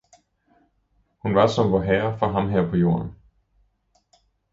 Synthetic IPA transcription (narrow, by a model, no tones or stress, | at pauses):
hunʋɑ̈sɒ̽mʋɒɦɛːɐfɒɦɑ̈mɦɛɐpʰɒ̽jo̝̰ːɐn